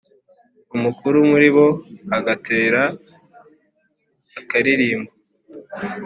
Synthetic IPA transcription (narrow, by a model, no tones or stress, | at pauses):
umukuɾumuɾiβo̞aɡatʰe̞ːɾa | kaɾiɾiːmbo